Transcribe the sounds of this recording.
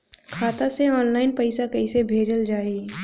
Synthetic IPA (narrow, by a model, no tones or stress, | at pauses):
kʰaːt̪aseɔːnlaːɪnpɐɪsakɐɪsebʱeːd͡ʒəld͡ʒaːiː